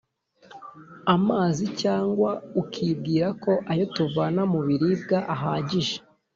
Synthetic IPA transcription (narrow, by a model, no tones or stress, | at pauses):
amaːzicaːŋɡwaukʰib̚ɡiːɾako̞ʔajotuvanamuβiɾib̚ɡaʔaɦaːɟiʒe̥